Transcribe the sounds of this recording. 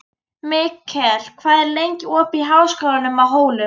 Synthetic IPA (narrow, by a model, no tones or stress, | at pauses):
mɪkʰːɛl̥kʰvaːðɛɾlejɲcɪɔːpiɦawskaːlanʏmawɦoːwlʏ